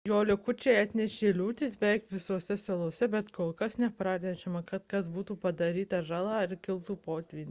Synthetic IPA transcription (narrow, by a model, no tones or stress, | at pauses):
joːlʲʊkʊt͡ʃʲɛɑt̪ʲnʲɛʃʲeːlʲuːt̪ʲisbʲɛkʋʲɪsoːsʲɛsɐlˠoːsʲɛbʲɛt̪koːlˠkɐsnʲɛpɾɑːnʲɛʃʲɛmɐkɐt̪kɐsbuːt̪uːpɐd̪ɐɾʲiːt̪ɐʒɑːlˠɑːɪɾkʲɪlˠt̪uːpoːt̪ʲʋʲiːnʲ